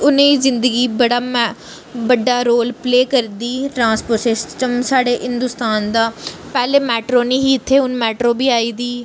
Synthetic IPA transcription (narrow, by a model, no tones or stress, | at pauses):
ʊnẽːizɪ̃nd̪əɡiːbəɽaː | bəɖːaːɾoːlpleːkəɾd̪iːʈɾãːnspəɾsɪsʈəmsaːɽeːɦɪnd̪ʊst̪aːnd̪aːpɛːleːmɛːʈɾoːnĩːɦiːɪt̪ʰːeːʊnmɛːʈɾoːbiːaːiːd̪iː